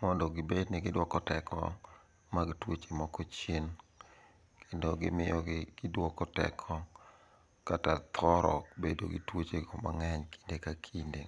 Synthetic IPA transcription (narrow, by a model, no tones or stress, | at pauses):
mɔndɔɡɪbednɪɡɪdwɔkɔtɛkʰɔ̰ | maɡɪtwot͡ʃemɔkɔt͡ʃen | kʰendoɡɪmɪjɔɡɪɡ̥ɪdwɔkɔtɛ̰kʰɔ | katat̪ʰɔɾɔbedo̰ɡɪ̰twot͡ʃekoma̰ŋɛɲkʰi̥ndekakʰinde